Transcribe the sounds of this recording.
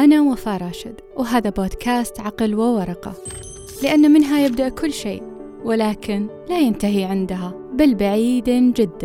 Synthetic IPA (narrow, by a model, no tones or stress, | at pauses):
ʔanawafaːɾˤɑːʃɪd̪ | wɦaːðaboːd̪kʰaːst̪ʕɑqɪlwɪwɑɾˤɑqɑ̰ | lɪʔanːamɪnɦajɪb̚d̪aʔkʊlːʃḛːʔ | wɪlaːkɪnlajɪnt̪aɦiʕɪnd̪aɦa | balbaʕiːd̪d͡ʒɪd̪ːa